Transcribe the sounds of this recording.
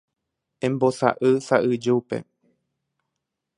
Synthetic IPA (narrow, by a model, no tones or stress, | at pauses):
ẽmbosa̰ʔɨsaʔɨd͡ʒeupe̞̰